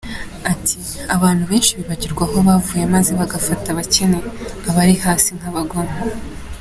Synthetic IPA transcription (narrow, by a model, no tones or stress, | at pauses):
atʰi | aβaːn̥huβeːnʃiβiβaɟiɾɡwaɦo̞βavuːjemaze̞βaɡafataβace̞neaβaɾihaːsin̥aβaɡoːmba